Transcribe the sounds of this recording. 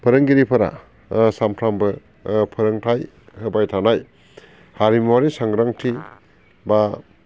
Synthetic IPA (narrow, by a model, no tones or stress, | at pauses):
pʰɯɾɯŋɡiɾipʰɐɾa̰ | sampʰɾambɯ | pʰɯɾɯŋtʰaj | hɯbajtʰanaj | haɾimwaɾisaŋɡɾaŋtʰi | ba